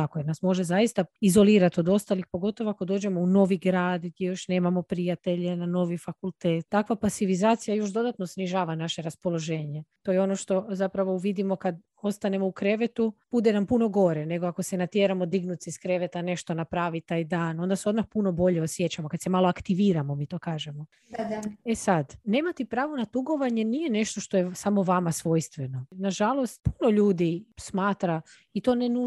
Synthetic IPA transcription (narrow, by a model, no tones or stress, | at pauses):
akojeɾnasmo̞ʒe̞zajist̪aizo̞lˠiːɾat̪o̞d̪o̞st̪alixpo̞ɡo̞t̪o̞ʋoakod̪oːd͡ʒe̞mouno̞ːʋiɡɾaːd̪ɡd̪jejo̞ʃne̞ːmamo̞pɾijat̪e̞ʎenano̞ːʋifakulˠt̪eːt̪t̪ːakʋapasiʋizaːt̪sijajo̞ʃd̪o̞d̪at̪nosniʒaːʋanaʃe̞ɾaspo̞lˠo̞ʒeːɲe̞t̪o̞jeo̞no̞ʃt̪o̞zapɾaʋo̞uʋid̪imo̞kad̪ | o̞st̪ane̞mo̞ukɾe̞ʋet̪ub̥ud̪enampuno̞ɡo̞ɾene̞ɡoako̞senat̪jeːɾamo̞d̪iɡnut̪siiskɾe̞ʋet̪ane̞ʃt̪o̞napɾaːʋit̪aːjd̪aːno̞nd̪aseo̞d̪maxpuno̞bo̞ʎeosje̞t͡ɕamokad̪semaːloakt̪iʋiːɾamo̞miːt̪o̞ːkaːʒemo̞ | d̪ad̪aesad̪ne̞ːmat̪ɛpɾaːʋonat̪uɡo̞ʋaɲe̞nije̞ne̞ʃt̪o̞ʃt̪o̞jesamo̞ʋamasʋo̞ːjst̪ʋeno̞naʒalˠo̞st̪puno̞ʎuːd̪ismaːt̪ɾa | it̪o̞nenu